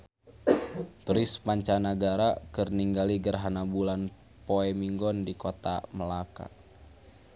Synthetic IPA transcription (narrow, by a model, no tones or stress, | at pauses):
t̪uɾɪspaɲt͡ʃanaɡaɾakɨrniŋɡaliɡərɦanabulan | pɔɛmiŋɡɔndikɔt̪a̰məlaka̰